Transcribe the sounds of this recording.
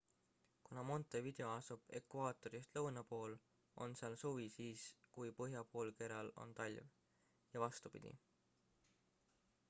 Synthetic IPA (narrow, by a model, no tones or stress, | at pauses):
kunɑmo̞nt̪ˑevid̪̥e̞o̞ɑsub̥e̞̰kvɑːt̪ˑo̞ɾist̪lɤwnɑpo̞ːl | o̞̰nseɑlsuvisiːskujpɤɦjɑpo̞ːlke̞ɾɑlo̞̰nt̪ɑlʲv | jɑvɑst̪upḭd̪̥ḭ